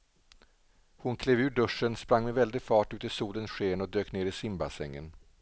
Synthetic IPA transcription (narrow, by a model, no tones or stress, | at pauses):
hʊnkʰleːvʉ̟ːɖɵʂːənspɾaŋːmɛvɛld̪ɪfɑːʈʉːt̪əsuːlənsɧeːnɔd̪øːkneːɾɪsɪmba̰sɛ̰ŋːə̰n